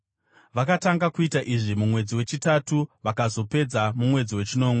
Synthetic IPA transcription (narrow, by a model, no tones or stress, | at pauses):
ʋakataŋɡakuitaʔiʐimumwe̞d͡ziwe̞t͡ʃitatuʋakazo̞pe̞d͡zamumwe̞d͡ziwe̞t͡ʃino̞ːmwe